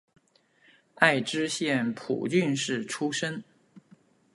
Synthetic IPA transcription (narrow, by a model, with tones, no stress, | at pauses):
a˥˧ɪʈ͡ʂɻ̩˥ɕjɛ˥˩npʰṵ˨˩t͡ɕy˥˧nʂɻ̩˥˩ʈ͡ʂʰu˥ʂə˥n